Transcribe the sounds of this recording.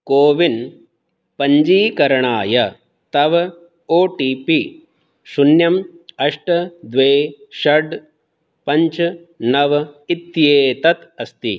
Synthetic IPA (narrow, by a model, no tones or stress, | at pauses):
koːʋin | pɐɲd͡ʒiːkɐɾɐɳaːjɐ | t̪ɐʋ | oːʈiːpi | sunjɐmɐʂʈɐd̪ʋeːʃɐɖ | pɐɲt͡ʃ | nɐʋit̪jeːt̪ɐt̪ɐst̪i